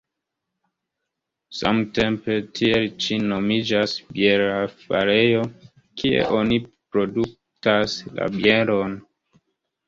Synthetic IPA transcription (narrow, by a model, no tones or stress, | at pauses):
sa̰mte̞mpe̞tʰielt͡ʃino̞mid͡ʒasbje̞ɾafa̰ɾejo̞ | kʰie̞̰ʔo̞nipɾo̞duk̚ | tasla̰bjeɾo̞n